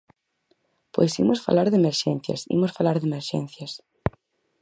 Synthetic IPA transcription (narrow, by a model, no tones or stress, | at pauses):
pojsḭmosfa̰laɾðemeɾʃẽn̟θja̰sḭmosfalaɾðemeɾʃḛ̃nθjɐs